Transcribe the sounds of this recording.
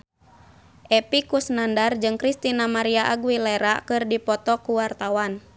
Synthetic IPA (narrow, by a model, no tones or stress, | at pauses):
ʔɛpikusnandard͡ʒɨŋkɾist̪inamaɾiaʔaɡuwilɛɾakɨrdipɔt̪ɔkuwart̪awan